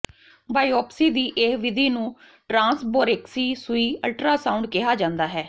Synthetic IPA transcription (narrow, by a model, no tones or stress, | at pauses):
baːiɔːpsiːd̪iːʔehʋɪd̪iːnũː | ʈɾãːnsboːɾeːksiːsʊiːəlʈɾaːsãːʊ̃ɳɖkɪɦaːd͡ʒãːnd̪aːɦɛː